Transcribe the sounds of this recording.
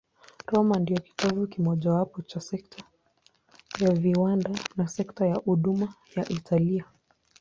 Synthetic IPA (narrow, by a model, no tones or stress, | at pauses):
ɾɔmandiɔki̥tɔvukimɔʄawapɔt͡ʃasɛk̚tʰa | javiwandanasɛktajahuɗuma | jaʔitʰalia